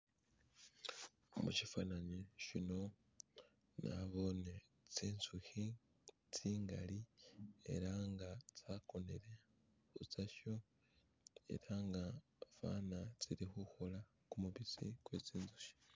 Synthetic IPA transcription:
omuʃifanaɲiʃino̞ | na̰βo̞ːne | t͡siːnzuhi | t͡siːŋɡaliḛɾaŋɡat͡saːko̞neɾe̞ | hut͡saʃo | e̞̰ɾaŋɡa | fa̰ːnat͡siɾixuhola | kumuβizḭkwḛːt͡siːnzu̥ʃi̥

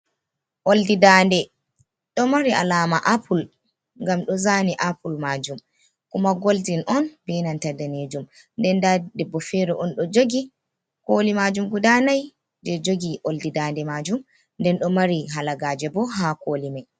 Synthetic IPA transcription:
ʔoldidandɛ | ɗɔmaɾiʔa̰laːmaʔapul | ŋɡamɗɔzaniʔapulmaːd͡ʒum | kumaɡoltinʔɔnbɛnantadaned͡ʒum | ndɛndadɛbːɔfɛɾɛʔɔnɗɔd͡ʒoɡi | kolimad͡ʒumɡudanaj | d͡ʒɛd͡ʒoɡiʔoldidandɛmad͡ʒum | ndɛnɗɔmaɾiɦalaɡaːd͡ʒɛbɔɦakoːlimaj

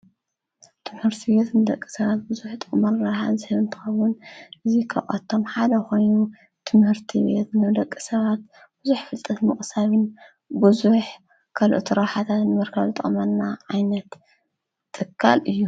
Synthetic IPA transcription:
t̪ʰɨmhɨɾt̪ʰibet̪nɨd̪ɐkʼːi̥sɐβat̪̚bɨzuħt̪ʼɨχʼmɐɾɾɐɾħa̰zɨhɨβɨnt̪ʰɨ̥xɐwʊnʔɨzikʰɐ̰ʔʼɐt̪ʰːomħad̪ɐxo̞jnu | t̪ʰɨmhɨɾt̪ʰibet̪nɨd̪ɐkʼːisɐβat̪̚ | bɨzuħfɨlt̪ʼɐt̪mɨχʼsaβɨn | bɨzuħ | kʰɐlʔɨt̪ʰuɾɐħat̪ʰat̪nɨmɐɾkʰɐβɨt̪ʼɐ̰χʼmɐnːaʕajnɐt̪ʼː | ɨkʰːa̰lʔɨjːu

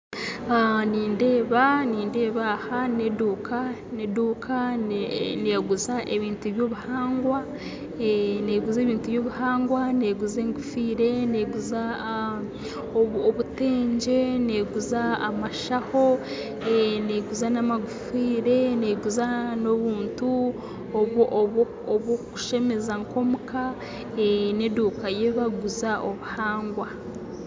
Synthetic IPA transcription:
aniːnde̞ːβaniːnde̞ːβahaneduːkʰaneduːkʰa | neːɡuzaʔe̞βiːntuβjoːβuhaːŋɡwa | neːɡuzeːβiːntuβjo̞ːβuhaːŋɡwaneːɡuzeːŋɡufiːɾe̞neːɡuza | ooβute̞ːɲɟe̞neːɡuzaːmaʃaho̞ | eneɡuzanamaɡufiːɾe̞ne̞ːɡuzano̞βuːntu | oβ | oβoku̥ʃe̞me̞zaŋko̞muka | eneduːkajeβaɡuzaʔoβuhaːŋɡwa

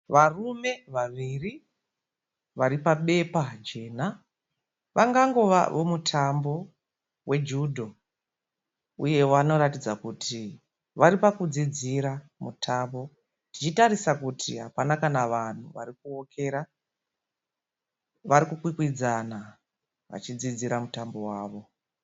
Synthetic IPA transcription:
ʋarume̞ʋaʋiːri | ʋaɾipaɓe̞pad͡ʒe̞ːna | ʋʔaŋɡaŋɡo̞ʋa̰ʋomutʰambo̞ | we̞d͡ʒudʱo | ṵje̞wano̞ɾatid͡zakutʰi | ʋaɾipakud͡zid͡ziɾa | mutʰambo̞ | tit͡ʃitaɾisakutʰiɦapanakanaʋan̤uʋa̰ɾikuo̞kʰe̞ɾa | ʋaɾikukwikwid͡zana | ʋa̰t͡ʃid͡zid͡ziɾamutambo̞waːʋo̞

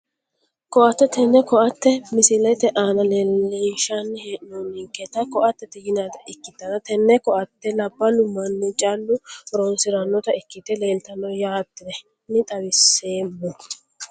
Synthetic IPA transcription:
kɔʔɐt̪ːɛt̪ʰɛnːɛkɔʔɐt̪ːɛmɪsɪlɐjt̪ːɛʔaːnɐnɛiːʃanːɪheːʔnonːɪŋkːɛt̪ɐkɔʔɐt̪ːɛt̪ːɛjɪnaːt̪ɐʔɪkːɪt̪ːɐnɐt̪ɛnːɛkɔʔɐt̪ːɛlɐbːɐlʊmɐnːʊt͡ʃʼalːʊɾoːnsɪɾɐnːɔt̪ɐɪkːɪt̪ːɛle̞ːlt̪ɐnɔjaːt̪ːɪd̪ɛ | nɪt̪ʼɐwɪsːeːmːʊ

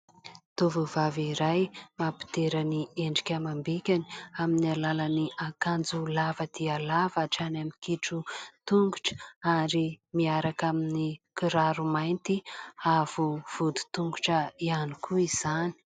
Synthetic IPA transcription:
t̪ovuvaviɾajmapi̥t̪eɾanieɳɖ͡ʐi̥kʲamambekʲaniaminialalaniakand͡zulavəd̪̥ialavaʈ͡ʂanamikiʈ͡ʂut̪uŋɡuʈ͡ʂə̥aɾimiaɾakaminikiɾaɾumajnt̪iavuv̥ud̪u̥t̪uŋɡuʈ͡ʂəianikʰuiz̥ani̥

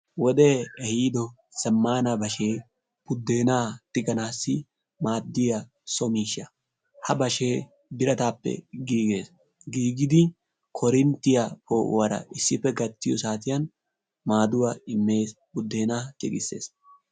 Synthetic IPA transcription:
wɔd̪eːɛhiːd̪ɔ | sɐmːaːnɐbɐʃe̞ː | bʊd̪ːe̞ːnaːt̪ɪɡɐnaːsːɪ | maːd̪ːɪjɐ | sɔmiːʃːɐ | hɐbɐʃe̞ː | bɪɾɐt̪aːpːɛ̰ɡiːɡe̞ːs | ɡiːɡɪd̪ɪ | kʰɔɾɪnt̪ːɪjɐpoːʔwɐɾɐ̰ʔɪsːɪpːɛɡɐt̪ːɪjɔsaːt̪ɪjɐn | maːd̪ʊwaɪmːe̞ːs | bʊd̪ːe̞ːnaːt͡ʃʼɪ̰ɡɪsːe̞̰ːs

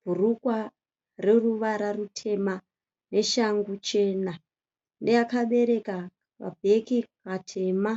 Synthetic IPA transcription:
bʱurukwa | reruʋaɾarutʰe̞ma | ne̞ʃaŋɡut͡ʃe̞ːna | ndejakaɓe̞ɾe̞ka | ʋa̰bʱe̞kikatʰe̞ma

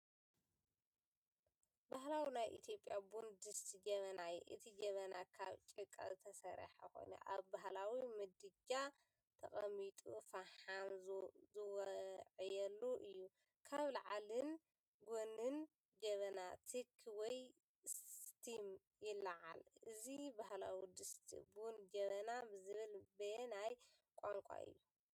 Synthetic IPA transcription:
baɦlawinajʔḭt̪ʰjo̞pʼːjabund̪ɨst̪d͡ʒɐβɐnaj̰ʔɨ̰t̪ʰid͡ʒɐβɐnakʰaβt͡ʃʼɨkʼːa̰zɨt̪ʰɐsɐɾ̰ħa̰ko̞̰jnɐ̰ʔa̰βbaɦlawimɨd̪ɨd͡ʒa | t̪ʰɐ̰χʼɐmit̪ʼufaħanzzɨwʕɨjɛlːuʔɨjːu | kʰaβlaʕalɨn | ɡonɨn | d͡ʒɐβɐnat̪ʰikʰwɔj | st̪ʰim | jɪlaʕa̰lɨzibaɦla̰wid̪ɨst̪ʰḭbund͡ʒɐβɐnabɨzɨβɨlbɐnaj | kʼaŋkʷʼa̰ʔɨ̰jːu

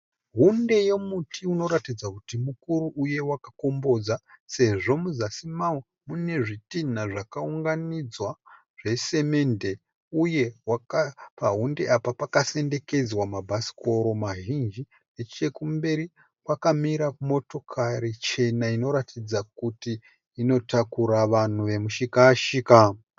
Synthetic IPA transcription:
ɦunde̞je̞mutʰiuno̞ɾatid͡zakutimukuɾuʔuje̞wakako̞mbo̞d͡zase̞ʐo̞muzasimawo | mune̞ʐitinaʐakauŋɡanid͡zwa | ʐ̥e̞se̞me̞nde̞ | uje̞wakapaɦunde̞ʔapapakase̞nde̞ke̞d͡zwamabʱasi̥ko̞ɾo̞maʒind͡ʒi | et͡ʃe̞kumbe̞ɾi | kwakamiɾakumo̞to̞kʰaɾit͡ʃe̞naino̞ɾatʰid͡zakutiː | no̞takuɾaʋan̤uʋe̞muʃikaːʃiːka

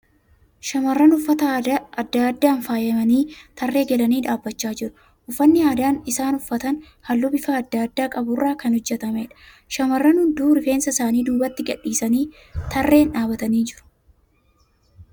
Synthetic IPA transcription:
ʃɐmɐrːɐnʊfːɐt̪ɐɐɐd̪ːad̪ːaːnfaːjɐmɐniːt̪ɐrːe̞ːɡɛlɐniːᶑaːbːɐt͡ʃːaːd͡ʒɪɾʊ̥ | ʔʊfːɐnːɪaːd̪aːnɪsaːnʊfːɐt̪ɐn | hɐlːʊbɪfaːd̪ːaːd̪ːaːkʼɐbʊrːaːkɐnhʊd͡ʒːɛt̪ɐmɛᶑɐ̥ | ʃɐmɐrːɐnhʊnd̪uːɾɪfe̞ːnsɐsaːniːd̪uːbɐt̪ːɪɡɐᶑːiːsɐniː | t̪ʰɐrːe̞ːnᶑaːbɐt̪ɐniːd͡ʒɪɾʊ̥

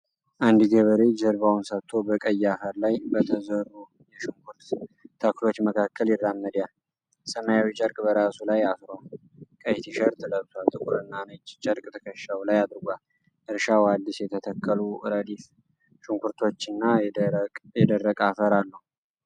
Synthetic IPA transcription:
ʔand̪ɡəβəɾe̞d͡ʒəɾβawnsət̪ʰːo̞bəkʼəjːafəɾlajbət̪ʰəzəɾu | jɛʃuŋkʰuɾt̪t̪ʰːaklo̞t͡ʃːməkʰakːəljɪrːamːəd̪jal | səmajawit͡ʃʼəɾkʼbəɾasulajasɾal | kʼəjt̪ʰiʃəɾt̪ʰɨləβswalt̪ʼɨkʼuɾɨnːanət͡ʃːt͡ʃʼəɾkʼt̪ʰə̥kʰəʃːawlajad̪ɾɨɡʷal | ʔɨɾʃawad̪ːisjɛt̪ʰət̪ʰəkʰʼːəluɾəd̪if | ʃuŋkʰuɾt̪ʰo̞t͡ʃːɨnːa | jɛd̪ərːəkʼafəɾalːəhu

